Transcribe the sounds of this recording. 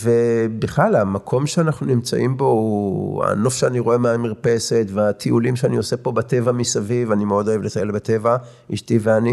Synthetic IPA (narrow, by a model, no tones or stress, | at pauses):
vebiχlalamakʰomʃeanaχnunimt͡sa̰ʔimbo̞ua̰no̞fʃeaniʁo̞e̞maːmiʁpe̞se̞tveat̪ʰiʔulimʃeanio̞se̞po̞bat̪e̞vamisavivanimeo̞do̞jevletajelbat̪e̞va | iʃtiveani